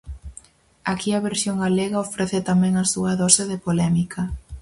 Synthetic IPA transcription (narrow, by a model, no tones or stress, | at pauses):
akiɐβeɾsjoŋɡaleɣɐofɾeθɪt̪amɛ̃ŋɐsuɐðɔseðepolɛmikʰɐ